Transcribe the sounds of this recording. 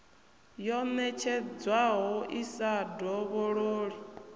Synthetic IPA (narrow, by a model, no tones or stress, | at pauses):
jɔnɛt͡ʃʰɛd͡zwaɦɔʔisadɔβoɺoːɺi